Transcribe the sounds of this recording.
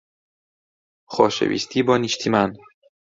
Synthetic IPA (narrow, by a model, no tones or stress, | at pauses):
xɒːʃḛvḭːst̪ʰiːbɒːniːʃt̪ʰimæn